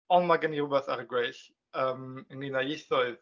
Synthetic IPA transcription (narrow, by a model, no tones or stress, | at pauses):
ɔnmaɡənirʊbɛθa̰ɾəɡweɨɬ | əːməninajeθɔɨð